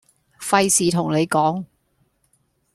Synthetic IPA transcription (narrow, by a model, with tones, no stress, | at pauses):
fɐ˧jsiː˨˧t̪ʰʊ˨˩ŋne˨˧jkɔː˨˥ŋ